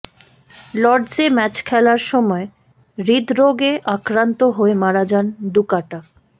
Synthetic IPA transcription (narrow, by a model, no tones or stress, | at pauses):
lɔɖd͡ʑemɛt͡ɕkʰɛlaɾʃɔmɔe | ɾid̪ɾoɡeʔakɾant̪oɦoemaɾad͡ʑand̪ukaʈa